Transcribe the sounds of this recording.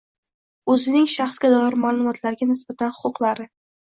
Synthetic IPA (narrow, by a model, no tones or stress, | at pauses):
ɵzɪnɪŋʃaχsɡʲad̪ɒjɪɾmaːlˠʊmɒt̪ʰlaɾɡʲanɪsb̥at̪ʰanhʊqʰʊqlaɾɪ